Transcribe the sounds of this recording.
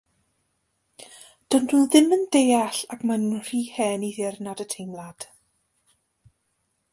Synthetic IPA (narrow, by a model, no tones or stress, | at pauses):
d̥ɔnduðɪməndejaɬakmannr̥iːhɛːniðɪrnadətʰejmlˠad̥